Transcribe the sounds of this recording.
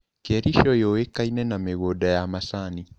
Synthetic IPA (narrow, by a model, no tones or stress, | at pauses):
kɛɾiʃɔjɔwekainɛnameɣodajamasani